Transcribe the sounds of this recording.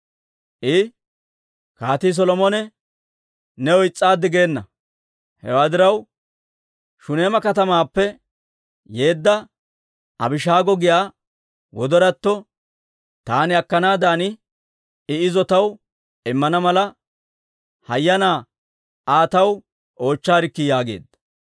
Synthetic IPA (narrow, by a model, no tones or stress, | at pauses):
ʔɪ | kaːt̪is̬ɔlɔmɔnɛ | nɛɔɪt͡sʼːaːd̪ːɪɡe̞ːnːɐ | hɛ̰waːd̪ɪɾɐw | ʃʊneːmɐkɐt̪ɐmaːpːɛ | je̞ːd̪ːɐ | ɐ̰bɪʃaːɡɔɡɪjaː | wɔd̪ɔɾɐt̪ːɔ | t̪aːnɪɐkːɐnaːd̪aːnɪ | ɪɪzɔt̪ɐw | ɪmːɐnɐmɐlɐ | hɐjːɐnaː | aːt̪ɐw | ʔo̞ːt͡ʃːaːɾɪkːɪjaːɡe̞̰ːd̪ɐ